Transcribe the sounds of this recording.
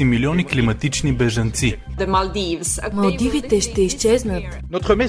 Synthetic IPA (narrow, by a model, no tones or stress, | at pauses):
imiliɔniklimɐt̪it͡ʃnibɛʒɐnt̪sid̪əmɐld̪ivsmɐlˠd̪ivit̪ɛʃt̪ɛist͡ʃɛznət̪ | nɔt̪χəmɛ